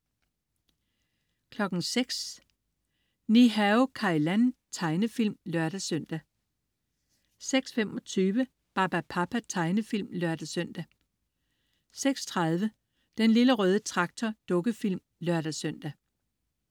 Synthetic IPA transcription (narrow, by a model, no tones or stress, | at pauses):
kʰlɒ̽ɡ̥n̩seɡ̥s | niɦæokʰɑ̈ilænt͡sʰɑ̈ɪnəfil̰mlɶɐ̰ɾ̥æsøn̰d̥æ | seɡ̥sfem̰ɒ̽t͡sʰyːʋə | b̥ɑ̈b̥æpʰɑ̈pʰæt͡sʰɑ̈ɪnəfil̰mlœɐd̥æsœn̰d̥æ | seɡ̥st͡sʰʁɑ̈ð̞ˠʋə | d̥enliləʁœːð̞ˠət͡sʰʁɑ̈ɡ̥̚t͡sʰɒd̥ɔ̽ɡ̥əfil̰m | lɶɐɾ̥æsøn̰d̥æ